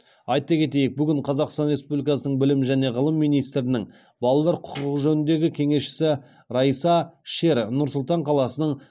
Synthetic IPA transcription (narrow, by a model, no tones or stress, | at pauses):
ɑjt̪ɑkʲʰe̞t̪̬e̞jek̚bʏɡʲɪɴqʰɑzɑqst̪ɑnɾʲe̞spublijkɑsənəɴbɪlɪmʒæne̞ʁəlˠəmːijnijst̪ɾɪnɪŋ | bɑlˠɑlˠɑɾqʰʊ̥qəqʒɵnɪnd̪e̞ɡʲɪkʲʰe̞ŋe̞sʃɪ̥sɪ | ɾɑjsɑʃe̞ɾnʊɾsʊlˠt̪ɑɴqʰɑlˠɑsənəɴ